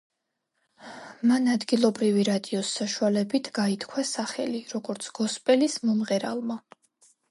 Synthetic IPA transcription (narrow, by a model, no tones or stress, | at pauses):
manad̪ɡilˠɔbɾiviɾad̪iɔsːaʃualɛbit̪ʰɡait̪ʰkʰwasaχɛliɾɔɡɔɾt̪sʰɡ̥ɔspʼɛlismɔmʁɛɾa̰lˠma